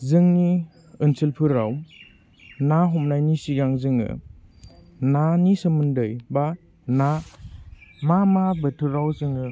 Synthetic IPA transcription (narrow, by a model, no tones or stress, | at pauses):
zɯŋni | ɯnsʰilpʰɯɾaw | naɦɔmnajnisiɡaŋzɯŋɯ̰ | nanisɯmɯndɯjba | na | mamabətʰɯɾawzɯŋɯ